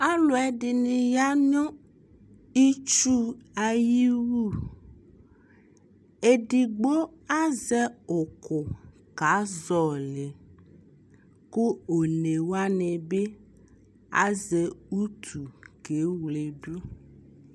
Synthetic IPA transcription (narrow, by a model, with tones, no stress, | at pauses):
a˦lo˨ɛ˦ɖi˨nĩ˨ja˦ɲɔ̃˦ | i˦t͡ʃu˦a˨ji˦wu˦ | e˦ɖi˨ɡ͡bo˦a˦zɛ˦o˨kʰo˨ | ka˨˦zɔ˨le˨ | ku˦o˨ne˨wa˦ne˨be˦ | a̰˦zɛ˨u˦t̪ʰu˨ke˨˦wle˨ɖu˦